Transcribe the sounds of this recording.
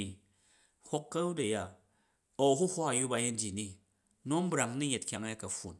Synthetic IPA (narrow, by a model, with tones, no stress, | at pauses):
i˨ | hʷo˦kːɐ˦u˦dɐ˨ja˨ | o˨ɦu˦hʷo˦a˨ju˦ba˦je˦n˦d͡ʒi˨ni˦ | no˦m̩˦bɾa˨ŋ˦ni˦ɲe˨t̚kʲa˦ŋ˦ja˦kɐ˨ɸṵ˨n